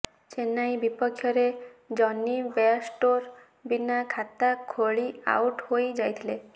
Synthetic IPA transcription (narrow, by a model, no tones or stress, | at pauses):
t͡ʃenajbipɔkʰːjɔɾed͡ʒɔnibesʈoɾ | binakʰat̪akʰoɭia̰uʈhojd͡ʒajt̪ʰile